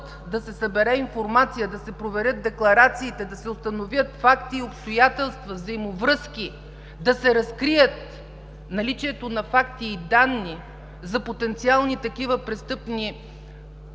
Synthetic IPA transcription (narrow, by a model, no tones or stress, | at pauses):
t̪ | d̪ɐsɛsɐbɛɾɛinfoɾmat̪sijəd̪ɐsɛpɾovɛɾʲɤt̪̚d̪ɛklˠɐɾat̪siːt̪ɛd̪ɐsɛʊst̪ɐnovʲjət̪fakt̪iːopst̪ojat̪ɛlˠst̪vɐvzəjmovɾɤsk̟i | d̪ɐsɛɾɐskɾijət̪̚ | nɐlit͡ʃiɛt̪onɐfakt̪iːd̪anːi | zɐpot̪ɛnt̪sialˠnit̪ɐkivəpɾɛst̪ɤpni